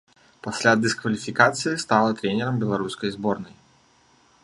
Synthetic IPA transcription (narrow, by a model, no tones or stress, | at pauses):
pasʲlʲad̪ɨskvɐlʲifʲikat̪sɨjist̪alˠɐt̪ɾʲɛnʲɛɾɐmbʲɛlˠaɾuskɐjzbɔrnɐj